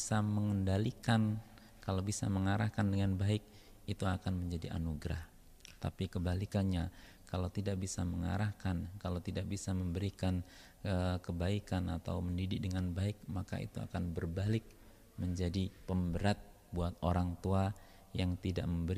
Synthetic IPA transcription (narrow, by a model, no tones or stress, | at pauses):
saməŋəndalikan | kalawbisa̰məŋaɾahkandəŋanbaɪk̚ | it̪uakanməɲd͡ʒadiʔa̰nuɡɾah | t̪a̰pikəbalikanɲa | kalawt̪idaʔbisaməŋa̰ɾahkankalawt̪idak̚bisaməmbəɾikan | əkəbaikanat̪a̰wməndidɪk̚dəŋanbaɪk̚maka̰ḭt̪ua̰kanbərbalɪk̚ | məɲd͡ʒadipəmbəɾat̪̚ | buat̪oɾaŋt̪ua | jaŋt̪ida̰ʔməmbəɾ